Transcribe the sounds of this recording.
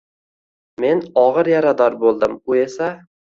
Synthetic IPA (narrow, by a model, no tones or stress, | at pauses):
me̞nɒʁɨɾjaɾad̪ɒɾbolˠd̪ɪmʊe̞sa